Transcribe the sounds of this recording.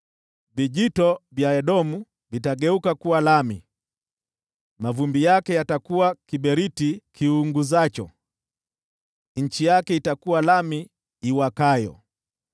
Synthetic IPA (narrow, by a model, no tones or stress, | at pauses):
viʄitɔvjaɛɗɔmu | vitaɡɛukakuwalami | mavumbijakɛjatakuwakiɓɛɾitikiuŋɡuzat͡ʃɔ̰ | ɲ̩t͡ʃijakɛitakuwalamiː | wakajɔ̰